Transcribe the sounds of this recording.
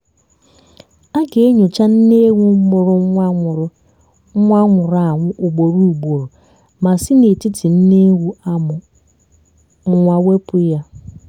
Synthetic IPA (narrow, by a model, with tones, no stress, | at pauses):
a˦ɡe˨e˦ɲo˨t͡ʃa˦n̩˦ne˦ɣu˦mʊ˨ɾʊ˨˦˨ | a˦ŋʷʊ˨ɾa˨ŋʷʊ˦ʔʊ˨ɡ͡bo˨ɾu˦˨u˨ɡ͡bo˨ɾo˨ | ma˨si˦ne˨ti˦tʰi˨n̩˦ne˦ɣu˦˨ | ŋʷa˦we˦pʊ˦ja˦